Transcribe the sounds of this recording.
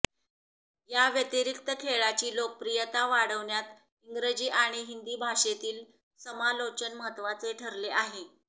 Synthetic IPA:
jaʋjət̪iɾik̚t̪əkʰeɭat͡ɕiːlok̚pɾijət̪aʋaɽəʋɳjat̪ | iŋɡɾəd͡ʑiːʔaɽ̃iɦind̪iːbʱaʂet̪iːl | səmalot͡ɕənməɦət̪ːʋat͡seʈʰəɾleʔaɦe

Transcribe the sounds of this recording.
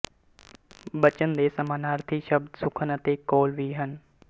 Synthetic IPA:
bət͡ʃənd̪eːsɐmaːnaːɾt̪ʰiʃəb̚d̪sʊkʰənət̪eːkoːlʋiːɦən

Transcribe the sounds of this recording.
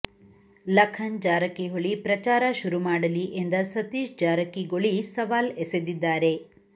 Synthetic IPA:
lɐkʰːɐnd͡ʒaːɾɐkːiɦoɭipɾɐt͡ʃaːɾɐʃuɾumaːɽɐliʔend̪ɐsɐt̪iːʃd͡ʒaːɾɐkːiɡoɭisɐʋaːlesed̪id̪ːaːɾe̞

